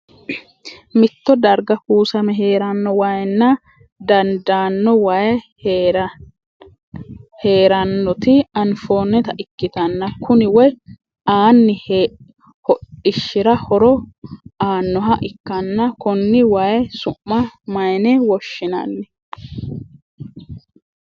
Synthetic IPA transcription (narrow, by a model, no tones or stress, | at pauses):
mɪt̪ːɔd̪ɐɾɡɐhuːsɐmɛɦeːɾɐnːɔwɐjnːɐ | d̪ɐnd̪aːnːɔwɐj | ɾ | he̞ːɾɐnːɔt̪ɪɐnfoːnːɛt̪ɐʔɪkːɪt̪ɐnːɐkʰʊnɪwɔj | ʔaːnːɪh | hɔɪʃːɪɾɐhɔɾɔʔaːnːɔɦɐʔɪkːɐnːɐkɔnːɪwɐjɛsʊːɐmɐjnɛwɔʃːɪnɐ̰nːɛ